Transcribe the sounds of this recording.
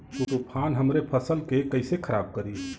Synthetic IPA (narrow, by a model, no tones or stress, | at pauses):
puʈupʰanɦəmɾepʰəsəlkekəɪsekʰəɾab̚kəɾi